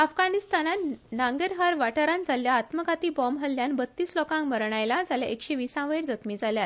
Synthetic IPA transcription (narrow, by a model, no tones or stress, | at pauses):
afɡanist̪anat̪nãŋɡəɾɦaɾʋaʈəɾãnd͡zaljaːt̪məɡʱat̪iːbɔmɦəljanbət̪ːiːslɔkãŋkməɾɳ̃ajlad͡zaljaʔekɕeʋisãʋəjɾd͡zək̪miːd͡zʱaljat̪